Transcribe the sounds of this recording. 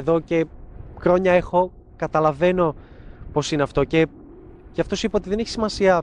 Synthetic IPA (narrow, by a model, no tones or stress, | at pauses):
ðo̞ce̞xɾo̞ɲɐexo̞ | kɐt̪ɐlɐve̞no̞ | po̞sineɐft̪o̞ce̞ | cɐft̪osipɐot̪iðeneçi̥simɐsiɐ